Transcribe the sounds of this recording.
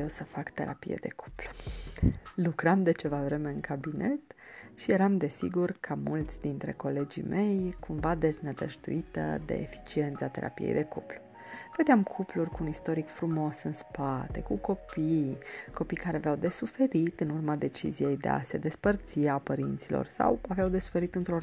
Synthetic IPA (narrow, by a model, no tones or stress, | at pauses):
ewsəfakt̪e̞̰ɾapḭjḛd̪e̞̰kʰu̥plu̥ | lukɾamd̪e̞t͡ʃe̞vavɾe̞me̞ɨnkabine̞t̪ʃije̞ɾamd̪e̞sḭɡurkʰamult̪sʲd̪int̪ɾe̞̰ko̞le̞d͡ʒḭme̞jkʰumvad̪e̞znəd̪əʒt̪ṵit̪ə̰d̪e̞̰efi̥t͡ʃie̞nt̪sat̪e̞̰ɾʔa̰pijḛjd̪e̞kuplu̥ | v̥əd̪eamkʰuplurʲkuːnist̪o̞ɾikfɾumo̞sɨnspat̪e̞kuko̞pijko̞pijkaɾeavawd̪e̞sufe̞ɾit̪ɨnurmad̪e̞t͡ʃḭzije̞jd̪ḛa̰se̞d̪e̞spərt̪siapəɾint̪silo̰rsa̰waveawd̪e̞su̥fe̞ɾit̪ɨnt̪ɾo